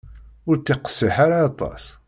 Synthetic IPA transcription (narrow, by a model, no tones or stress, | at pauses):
ʊɾt͡s̪ːiqə̥sːiħaɾaːt̪ˤɑ̰s